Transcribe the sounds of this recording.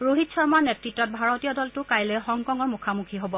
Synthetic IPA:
ɹoɦitsɔɹmanɛtɹitːɔt̚bʱaɹɔtijɔdɔltʊkajlɛxɔŋkɔŋɔɹmukʰamukʰiɦobɔ

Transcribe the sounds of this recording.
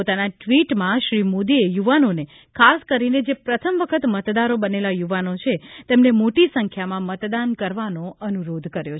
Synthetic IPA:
pot̪anaʈʋiʈmãʃɾimod̪iejuʋanone | kʰaskəɾined͡ʒepɾət̪ʰəmʋəkʰət̪mət̪d̪aɾobənelajuʋanot͡ʃʰet̪emnemoʈisəŋkʰjamãmət̪d̪ankəɾʋanoənuɾod̪ʱkəɾjo

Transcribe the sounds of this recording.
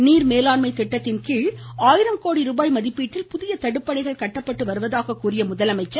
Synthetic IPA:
niːɾmeːlaːnmɐɪt̪ːɛʈːɐt̪ːɪnkiːɭaːjɪɾɐmkoːɽiɾuːbaːjmɐðɪpːiːʈːɪlpʊðɪjɐt̪ɐɽɯpːɐɳɐɪɣɐɭkɐʈːɐpːɐʈːɯʋɐɾɯʋɐðaːɣɐkːuːrɪjɐmʊðɐlɐmɐɪt͡ʃːɐ

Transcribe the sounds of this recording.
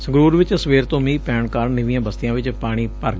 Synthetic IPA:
səɡɾuːɾʋɪt͡ʃsʋeːɾt̪õːmiːpɛːɳkaːɾɳnəʋĩjãːbəst̪ɪjãːʋɪt͡ʃpaːɽ̃iːpəɾ

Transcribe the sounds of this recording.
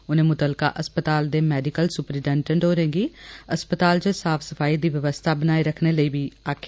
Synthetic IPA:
ʊnẽːmʊt̪əlka̰ːʔəspət̪aːld̪eːmɛːɖɪkəlsʊpɾiːɖɛ̃ːɳʈə̃ɳɖoːɾẽːɡiːəspət̪aːld͡ʒəsaːfʰsəfʰaːid̪iːʋəʋəst̪ʰaːbənaːiɾəkʰneːləiːbiːaːkʰː

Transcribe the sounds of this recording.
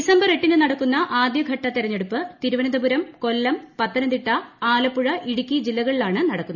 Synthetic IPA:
isɐmbɐre̞ʈːinːɨnɐɽɐkːunːɐʔaːd̪jɐɡʱɐʈːɐt̪iɾɐɲːe̞ɽupːɨt̪iɾuʋɐnɐd̪ɐbuɾɐmko̞lːɐmpɐt̪ːɐnɐnd̪iʈːɐaːlɐpːuɻɐʔiɽukʲːid͡ʑilːɐɣɐɭilaːɳɨnɐɽɐkːunːɐɐ

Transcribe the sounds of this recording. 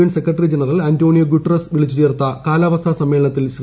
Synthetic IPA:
ɐnsekrɐʈːɐrid͡ʑenɐrɐlantoːɳijɐɡuʈːrɐsʋiɭit͡ɕːit͡ɕeːrt̪ːɐkaːlaːʋɐst̪ʰasɐmːelɐɳɐt̪ːilɕr

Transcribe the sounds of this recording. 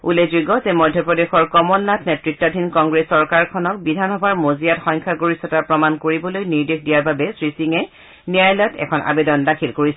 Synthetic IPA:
ulezuɡɔzɛmɔdʱjɔpɹɔdexɔɹkɔmɔnːatnɛtɹik̚tadʱinkɔŋɡɹesːɔɹkaɹkʰɔnɔkbidʱanɔbʱaɹmozijatxɔjŋkʰaɡoɹisɔtapɹɔmankoɹibɔlojniɹdikʰdijaɹbabɛsɹisiŋɛ | niajlɔtʰɛ̰kʰɔnʔa̰bedɔndakʰilkoɹisɛ

